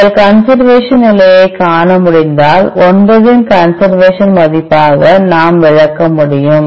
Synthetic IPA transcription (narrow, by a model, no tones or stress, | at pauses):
ɐlkɐnsɐɾʋeːʂɐnnɪlɐjɐɪkaːɳɐmʊɽɪnd̪aːlɔnbɐðɪnkɐnsɐɾʋeːʂɐnmɐðɪpːaːɣɐnaːmʋɪɻɐkːɐmʊɽɪjɯm